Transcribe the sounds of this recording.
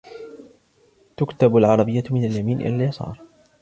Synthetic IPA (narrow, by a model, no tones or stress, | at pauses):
t̪ʊkt̪abalʕɑɾˤɑbɪjːamɪnaljamiːnʔɪ̰laljɑsˤɑ̰ːɾˤ